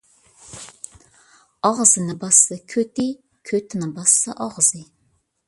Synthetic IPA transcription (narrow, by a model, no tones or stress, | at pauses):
ɑʁzɨnɨbɑsɨkʲʰøt̪i | kʲʰøt̪ʰɪnɨbɑsːɨʔɑʁz̥ɨ